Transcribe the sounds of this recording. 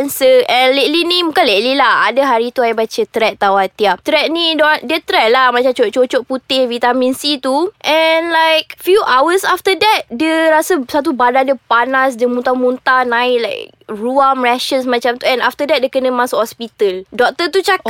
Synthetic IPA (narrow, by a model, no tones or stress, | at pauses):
nsəʔɛnleʔlinĩmũkanleʔlilaha̰dəɦaɾit̪uajbat͡ʃət̪ɾɛt̪̚t̪awat̪iap̚t̪ɾɛt̪̚nĩdɔndiət̪ɾɛt̪̚lahmãt͡ʃamt͡ʃoʔt͡ʃot͡ʃɔʔput̪ɪhvit̪amĩnsit̪uʔɛnlajk̚fjuʔawəsaft̪ədɛt̪̚diəɾasəsat̪̬ubadadiəpanas̬diəmũnt̪amũnt̪anãɪʔlajk | ɹuamɹɛʃəsmãt͡ʃamt̪uɛ̃naft̪ədɛt̚diəkənə̃mãsoʔhɔspit̪əldɔk̚t̪ət̪ut͡ʃak